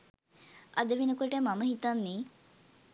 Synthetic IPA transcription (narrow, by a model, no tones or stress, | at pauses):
ʔɐd̪əʋinəkoʈəmaməɦit̪anːiː